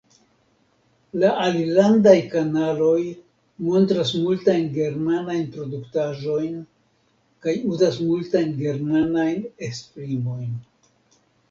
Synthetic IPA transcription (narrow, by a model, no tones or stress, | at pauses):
laalilandajkanalo̞j | mo̞ntɾasmultajnɡe̞ɾmanajnpɾo̞duktaʒo̞jn | kajuzasmultajnɡe̞ɾmanajnekspɾimo̞jn